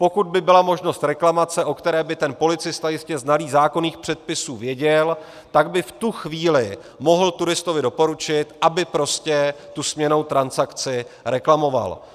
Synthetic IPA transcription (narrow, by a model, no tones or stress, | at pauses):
po̞kud̪̚bɪbɪlamo̞ʒno̞st̪ɾɛklamat͡sɛʔo̞kt̪ɛɾɛːbɪt̪ɛnpo̞lɪt͡sɪst̪ajɪscɛznaliːzaːko̞niːxpr̥ɛt̪̚pɪsuːvjɛɟɛl | t̪aɡbɪft̪uxviːlɪ | mo̞ɦl̩t̪uɾɪst̪ovɪdopoɾut͡ʃɪt̪ʔabɪpɾo̞scɛt̪usmɲɛno̞wt̪ɾansakt͡sɪɾɛklamo̞va̰l